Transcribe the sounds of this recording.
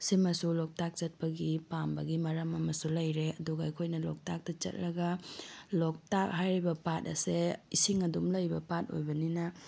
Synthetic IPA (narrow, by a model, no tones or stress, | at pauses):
simɐsulok̚tak̚t͡ʃɐt̚pɐɡipambɐɡimɐɾɐmɐmɐsulɐjɾeɐduɡɐːjkʰojnɐlɔk̚tak̚tɐt͡ʃɐ̰t̚lɐɡɐlok̚tak̚hajɾibɐpatɐ̰seisiŋɐdumlɐjbɐpat̚o̰jbɐninɐ